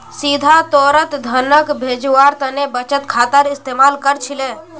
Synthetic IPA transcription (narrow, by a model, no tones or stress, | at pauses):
sid̪ʱat̪ɔːɾət̪d̪ʱənəkbʱeːd͡ʒwaːɾt̪ənebət͡ʃət̪kʰaːt̪əɾɪst̪eːmaːlkəɾt͡ʃʰile